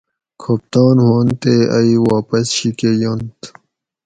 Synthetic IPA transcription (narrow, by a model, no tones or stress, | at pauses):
kʰop̚t̪ɑːnhont̪eɐ̰iwaːpɐsɕikejont̪